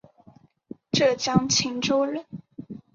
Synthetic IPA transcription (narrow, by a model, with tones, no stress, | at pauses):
ʈ͡ʂɤ˥˩t͡ɕjɑ˥ŋt͡ɕʰi˧˥ŋʈ͡ʂo˥ʊlə˥˩